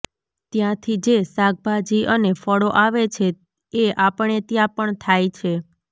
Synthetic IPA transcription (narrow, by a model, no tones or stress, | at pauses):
t̪jãt̪ʰid͡ʒesaɡ̚bʱad͡ʒiʔənefɔɽoʔaʋet͡ʃʰe | eʔapəɳet̪jãpəɳt̪ʰajt͡ʃʰe